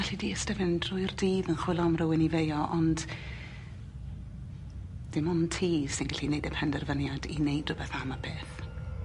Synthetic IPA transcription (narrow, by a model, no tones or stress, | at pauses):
aɬidiːəstəvɪndrʊɨrdiːðənχw̥ɪlˠɔmrəwɪnivejɔʔɔnd̥ | d̥ɪmɔntʰi̥ːsɪnɡaɬinejdəpʰɛndɛrvənjadḭnejdrʊbɛθamabeːθ